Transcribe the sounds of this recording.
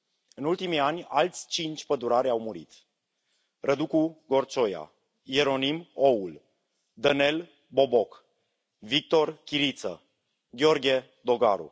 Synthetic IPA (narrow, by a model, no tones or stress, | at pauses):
ɨnult̪imianʲa̰lt̪sʲt͡ʃint͡ʃʲpəd̪uɾaɾʲawmuɾḭt̪ | rʔəd̪ukuɡo̞rt͡ʃo̞ja̰ | jeɾo̞nimoul | d̪əne̞l | bo̞bok | vik̚t̪o̞rkʲiɾit̪sə̰ | ɡʲeo̞rɡʲe̞ | d̪o̞ɡaɾṵ